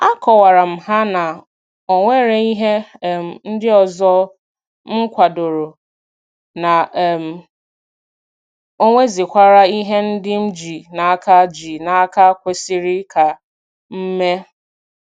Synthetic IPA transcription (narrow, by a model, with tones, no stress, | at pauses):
a˦kɔ˨wa˨ɾa˨m̩˨ɦa˦na˨ | o˨ŋʷe˦ɾe˨i˦ɦe˦˨m̩˨n̩˦dɪ˦ɔ˨zɔ˦ | ŋ̩˦kʷa˨do˨ɾo˨ | na˨m̩˨ | o˦ŋʷe˦zɪ˨kʷa˦ɾa˦i˦ɦe˦n̩˦dɪ˦m̩˦d͡ʒi˨na˨a˦ka˦d͡ʒi˨na˨a˦ka˦kʷe˨si˦ɾɪ˦kʰa˨ | m̩˦me˦